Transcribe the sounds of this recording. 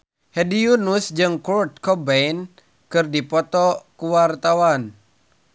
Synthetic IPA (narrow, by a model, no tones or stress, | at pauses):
hɛdijunusd͡ʒɨŋkurt̪̚kɔbɛin | kɨrdipɔt̪ɔkuwart̪awan